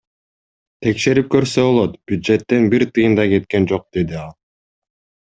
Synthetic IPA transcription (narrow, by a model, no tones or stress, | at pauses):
t̪ʰe̞kʃe̞ɾip̚kø̞ɾsøβo̞lˠot̪b̥jud̪d͡ʒe̞t̪ːe̞nbiɾt̪ɯjɯnd̪ɑke̞t̪̚kend͡ʒo̞q̚d̪̥e̞d̪iɑlˠ